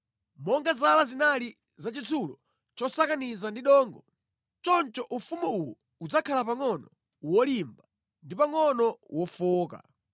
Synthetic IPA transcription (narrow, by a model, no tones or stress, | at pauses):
mɔŋɡazalazinali | zat͡ʃit͡sʰulɔ̰ | t͡ʃɔsakanizandiɗɔːŋɡɔ | t͡ʃɔnt͡ʃɔʔufumuuwɔ | ud͡zakʰalap̬aŋɔnɔ | wɔlimba | ndipaŋɔnɔwɔfɔːk̬a̰